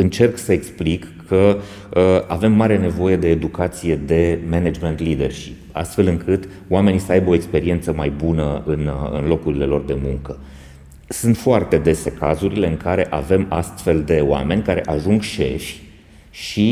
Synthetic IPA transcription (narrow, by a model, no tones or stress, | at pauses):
ɨnt͡ʃe̞rksəeksplikːʰə | a̰ve̞mːaɾe̞ne̞vo̞je̞d̪e̞ːd̪ukat̪sije̞d̪e̞mened͡ʒme̞nt̪lid̪e̞rʃip̚a̰st̪fe̞lɨŋkʰɨt̪ | oame̞nisəajbəo̞e̞kspe̞ɾie̞nt̪səmajbunəɨnɨ̰nlo̞kuɾile̞lo̞rd̪e̞muŋkə | sunt̪foart̪e̞d̪e̞se̞kazuɾile̞ɨŋkaɾe̞ʔave̞ma̰st̪fe̞ld̪e̞oa̰me̞nʲkaɾe̞ʔaʒuŋɡʃe̞̰ʃʲ | ʃi